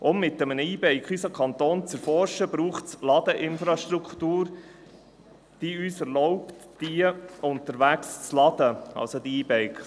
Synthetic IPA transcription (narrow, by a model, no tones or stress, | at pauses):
ʔʊmːɪt̪ːəmənəiːbɛɪkχysəkʰχɑnt̪oːnt͡sɛɾfɔɾʃəbɾuːχtt͡slɑd̥̪əʔɪnfɾɑʃt̪ɾukʰtuːɾ | d̪̥iyːsɛɾlɔʊptd̥iəʊnt̪əɾʋækst͡slɑd̥̪əɑ̰lsod̪iiːbɛɪkχ